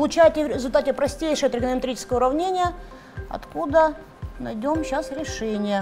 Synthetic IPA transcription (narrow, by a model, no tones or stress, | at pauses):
lˠʊt͡ɕæjtʲɪvɾʲɪzʊlʲt̪atʲɪpɾɐsʲtʲejʂəjət̪ɾʲəɡʲənəmʲɪt̪ɾʲit͡ɕɪ̥skəjəʊɾɐvnʲenʲɪjə | ɐ̰t̪kud̪ə | nɐjdʲomɕasɾʲɪʂɛnʲɪjə